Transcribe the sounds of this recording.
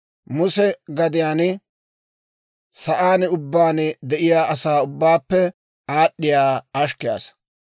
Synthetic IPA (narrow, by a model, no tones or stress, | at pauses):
mʊsɛɡɐd̪ɪjaːn | sɐʔaːnʊbːaːnɪd̪ɛʔɪjaːʔɐsaːʊbːaːpːɛ | aːɗːɪjaːɐʃ̬kːɪja̰ːs